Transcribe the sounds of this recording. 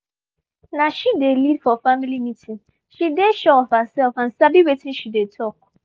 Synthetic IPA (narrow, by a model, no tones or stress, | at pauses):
nãʃidelidfɔfamilimĩtʰĩn | ʃideʃɛɔfhəsɛlfãn̩sabiwetʰĩʃidetʰɔk̚